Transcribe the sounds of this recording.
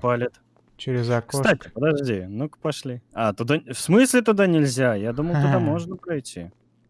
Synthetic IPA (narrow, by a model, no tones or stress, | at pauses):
palʲɪt̪ | t͡ɕɪɾʲɪzɐksot̪atʲɪ̥pəd̪ɐʐdʲinukpɐʂlʲiat̪ʊd̪afsmɨsʲlʲɪt̪ʊd̪anʲɪlʲzʲajad̪uməlˠt̪ʊamo̞ʐnəpɾɐjtʲʰi